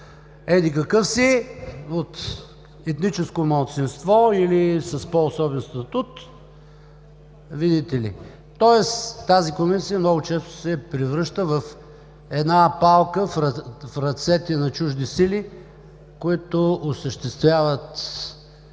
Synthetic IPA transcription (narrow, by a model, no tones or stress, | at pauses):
ɛd̪ikɐkɤfsiot̪ | ɛt̪nit͡ʃɛskomɐlˠt̪sinst̪vɔilisɐspɔːsɔbɛnst̪ɐt̪ut̪ | vid̪it̪ɛlḭ | t̪ɔɛst̪azikomisijəmnɔɡʊt͡ʃɛst̪o̥sɛpɾivɾɤʃt̪əvɐf | ɛd̪napalˠkəfɾɐfɾɐt̪sɛt̪ɛnɐt͡ʃuʒd̪isili | koit̪oosəʃt̪ɛst̪vʲjavət̪